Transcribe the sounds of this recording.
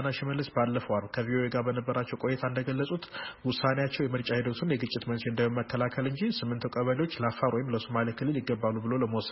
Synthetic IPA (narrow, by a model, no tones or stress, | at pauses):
naʃɪməlːəsbalːəfəwalkʰəviʔo̞eɡaɾbənəbːəɾat͡ʃːɛwkʼo̞jːɛt̪ʰaɨnd̪əɡəlːəsʼut̪wʊsːanejat͡ʃːɛwjɛmɨɾt͡ʃʼahid̪ot̪ʰunjɛɡɨt͡ʃʼːɪt̪mənseɨnd̪ajoməkːəlakʰəlɨɲd͡ʒisɨmːɨnt̪ʰukʼəβəliwo̞t͡ʃːləafaɾwɔjɪmləsomalikʰɨlːɨljɪɡːəbːalːubɨlo̞ləməwɔs